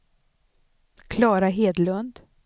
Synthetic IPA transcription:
kʰlɑːɾaɦeːd̪lɵnd̪

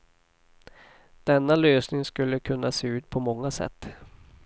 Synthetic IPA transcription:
d̪̥ɛnːaløːsnɪŋskɵlːəkʰɵnːaseːʉ̟ːt̪̚pʰɔmɔŋːasɛ̰t̪ː

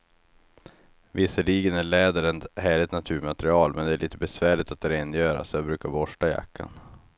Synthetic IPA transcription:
vɪsəɭiːɡənæɭɛːd̪əɾɛnt̪hæːɭɪt̪nat̪ʰʉːɾmat̪ɾɪɑːlmɛnd̪ɛæɭʔiːt̪əbɛsvæːɭɪt̪at̪̚d̪ɛɾɛnjœːɾa̰sabɾʉ̟ːkaɾbɔʂʈaja̰kʰːa̰n

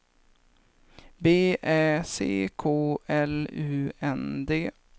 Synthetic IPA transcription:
beːʔɛːsḛːkʰoːɛlʉːɛnd̪eː

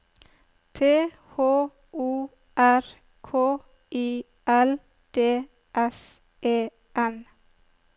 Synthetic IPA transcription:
t̪ʰeː | hoː | ʔuː | ʔæɾ | kʰoː | iː | ʔæl | d̪̥eː | ʔɛs | ʔeː | ʔɛn

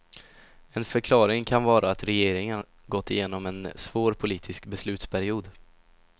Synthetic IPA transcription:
ɛnfœɾkʰlɑːɾɪŋkʰanvɑːɾʔaːt̪ɾɛjeːɾɪŋən | ɡɔt̪ːɪjeːnɔmɛnsvoːɾpʰʊliːt̪ʰɪskbɛslʉ̟ːt̪spʰæɾɪuːd̪

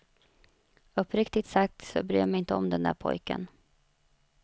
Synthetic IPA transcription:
ɵpːɾɪkt̪ɪt̪sak̚t̪sɔ̰bɾy̰ːmɛjɪnt̪əɔmd̪ɛnd̪æ̰ːɾpʰɔ̰jkə̰n

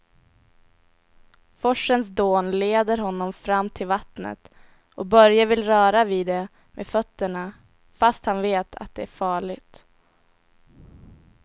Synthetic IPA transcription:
fɔʂːənsd̪oːnleːd̪əɾɦɔnːɔmfɾamːt̪ʰɪlvat̪nə̰t̪ | ɔbœɾjavɪlɾœːɾaviːd̪ɛ | mʔḛfœt̪ːəɳa | fast̪hanveːt̪ʰa̰t̪̚d̪ɛæɾfɑːɭɪɡt̪

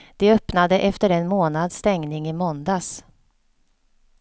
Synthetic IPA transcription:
d̪̥ɛœpnad̪əʔɛft̪əɾɛnmoːnad̪st̪ɛŋnɪŋɪmɔnd̪as

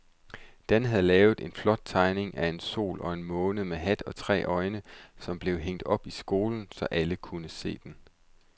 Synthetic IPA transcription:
d̥ænɦæð̩ˠlɛːʊð̩ˠe̝nflɒ̽d̥̚t͡sʰɑ̈ɪne̝ŋʔæe̝nso̝̰ːlɒ̽e̝nmɔ̽ːnð̩ˠmeɦæd̥ɒ̽t͡sʰʁɛ̰ːʔɒ̽ɪnəsɒ̽mb̥le̝ʊɦeŋ̰d̥ɒ̽b̥isɡ̥o̝ːln̩sɒ̽ʔæləkʰunəse̝̰ːd̥en

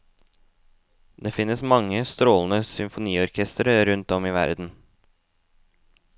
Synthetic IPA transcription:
d̪eːfɪnəsmɑŋəst̪ɾoːln̩əsʏmfʊniːɔɾkʰɛst̪əɾəɾʉnt̪ɔmiːʋæ̰ɾd̪n̩

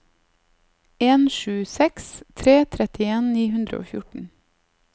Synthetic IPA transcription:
eːnʃʉːsɛkst̪ʰɾeːt̪ʰɾɛt̪ɪeːnniːhʉnd̪ɾə̰o̰ːfjʊʈɳ̩

